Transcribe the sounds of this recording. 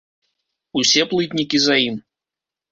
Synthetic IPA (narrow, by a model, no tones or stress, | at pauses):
usʲɛplˠɨt̪ʲnʲikʲizajim